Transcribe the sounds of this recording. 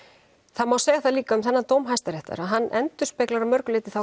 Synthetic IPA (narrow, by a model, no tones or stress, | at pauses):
θaðmawsɛːɣaθaðliːkaʏmθɛnːat̪oːwmɦajst̪aɾɛht̪a̰ɾaðɦanːʔɛnt̪ʏ̥speklaɾamœɾklɪːt̪ɪθaw